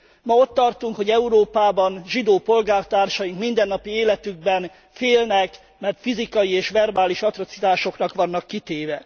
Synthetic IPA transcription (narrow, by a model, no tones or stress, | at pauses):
mɒo̞t̪ːɒrt̪uŋkho̞ɟɛuɾoːpaːbɒnʒid̪oːpo̞lɡaːrt̪aːrʃɒjiŋkmind̪ɛnːɒpieːlɛt̪yɡ̚bɛn | feːlnɛk | mɛrt̪fizikɒjieːʃʋɛrbaːliʃɒt̪ro̞t̪sit̪aːʃo̞knɒkʋɒnːɒkːit̪eːvɛ